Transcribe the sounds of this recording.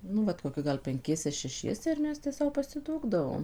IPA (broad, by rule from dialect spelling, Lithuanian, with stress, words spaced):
ˈnʊ ʋɐt koːˈkʲɪ ˈɡɐlˠ pʲɛŋʲˈkʲiɛsʲɛ ʃʲɛˈʃʲiɛsʲɛ ɪr ˈmʲɛs tʲæː ˈsɐʊ pɐsʲɪˈduːɡdɐʋoːm